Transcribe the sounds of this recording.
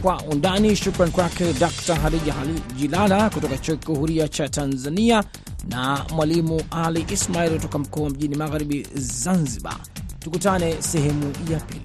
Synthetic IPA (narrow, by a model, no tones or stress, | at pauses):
kwaʔundaniʃukɾankwakɛdaktaɦaɾialiʄilalakutɔkat͡ʃakiuhuɾiat͡ʃatanzania | namwalimuʔaliʔismailkutɔkam̩kɔːwam̩ʄinimaɣaɾiɓizanziɓa̰ | tukutanɛsɛɦɛmujapḭli